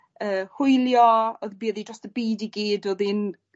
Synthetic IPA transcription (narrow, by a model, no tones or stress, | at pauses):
əːhʊjlˠjɔoðbiːəðidrɔstəbiːdiɡiːdoðin